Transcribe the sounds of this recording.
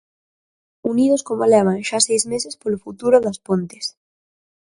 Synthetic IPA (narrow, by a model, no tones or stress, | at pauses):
uniðoskomoelɛβaŋʃasejzmesespolofut̪uɾʊðɐspont̪es